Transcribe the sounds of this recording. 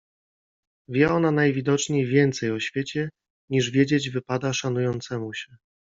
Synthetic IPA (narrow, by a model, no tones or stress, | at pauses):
vʲjɛɔnanajvʲid̪ɔt͡ʂɲejvʲjɛnt̪sɛjɔɕfʲjet͡ɕɛ | ɲiʐvʲjed͡ʑed͡ʑvɘpad̪aʂanujɔnt̪sɛmuɕɛ